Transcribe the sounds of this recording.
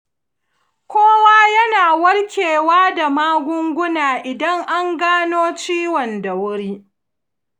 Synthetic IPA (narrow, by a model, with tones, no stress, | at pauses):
kʷʰoː˦waː˦jɐ˦naː˨wɐ˦ɽkʲeː˨waː˦da˨maː˦ɡʷʊ˦ŋɡʷʊ˦naː˨ʔɪ˨dɐ˦ŋʔa˦ŋɡaː˦noː˦t͡ʃiː˦wɔ˨nda˨wʊ˦ɽiː˦